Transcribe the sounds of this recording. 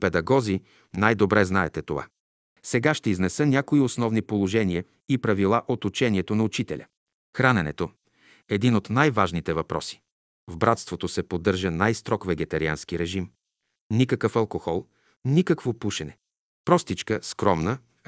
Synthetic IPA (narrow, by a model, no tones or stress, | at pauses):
pɛd̪ɐɡɔzi | najd̪obɾɛznaɛt̪ɛt̪ova̰ | sɛɡaʃt̪ɛiznɛsənʲakoiosnɔvnipolˠoʒɛniə | ipɾɐvilˠaʔot̪ut͡ʃɛniɛt̪onɐʊt͡ʃit̪ɛlʲɐ̰ | xɾanɛnɛ̰t̪o | ɛd̪inot̪najvaʒnit̪ɛvɐpɾɔ̰si̥ | vbɾat̪st̪vot̪osɛpod̪ːɤɾʒənajst̪ɾɔkvɛɡɛt̪ɐɾia̰nsk̟iɾɛʒim | nikəkəfɐlˠkoxɔlˠ | nikəkvopuʃɛnɛ | pɾɔst̪it͡ʃkəskɾɔmnə